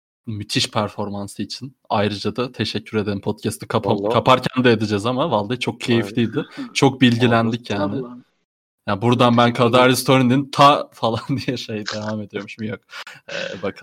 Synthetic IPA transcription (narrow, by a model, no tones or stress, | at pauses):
myt̪ʰiʃpʰæɾfo̞ɾmansɯit͡ʃʰin | ajɾɯd͡ʒad̪at̪ʰe̞ʃɛcʰːyɾe̞d̪e̞ɾimpʰo̞t̪̚cʰɛst̪ʰi̥kʰaakʰapʰaɾcʰænd̪ɛed̪id͡ʒɛzamavalˠd̪at͡ʃʰo̞k̚cʰe̞jiflʲijd̪ɪt͡ʃʰo̞k̚bilʲɟilʲænd̪icjaːnɪ | jaːbuɾd̪anbænkʰad̪aɾlʲist̪ʰoɾind̪int̪ʰafalˠand̪ijɛʃe̞jid̪e̞vaːme̞d̪ijo̞ɾmuʃmujok̚ɛ̰bakʰalˠ